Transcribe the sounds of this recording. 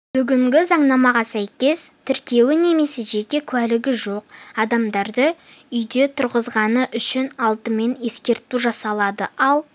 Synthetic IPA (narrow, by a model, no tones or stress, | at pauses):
b̥ʏɡʲɪŋɡʲɪzɑɴnɑmɑʁɑsæjkʲe̞st̪ʰɪɾkʲe̞wɪne̞me̞se̞ʒe̞kʲe̞kʲʰwælɪɡʲɪʒo̞q̚ɑd̪ɑmd̪ɑɾd̪əʏjd̪e̞t̪ʰʊɾʁəzʁɑnəʔʏʃɪnɑlˠt̪əme̞ne̞skʲe̞ɾt̪uʒɑsɑlˠɑd̪əɑlˠ